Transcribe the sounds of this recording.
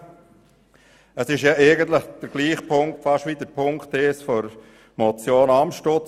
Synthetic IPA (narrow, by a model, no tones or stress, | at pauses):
əsɪʃjɑʔɛɪɡənt̪ləχd̪̥əɾɡ̥liːχpʰʊŋktfɑʃʋiːd̪əɾpʰʊŋkteːsfɔɾ | mɔt͡sjoːnɑmʃtot͡s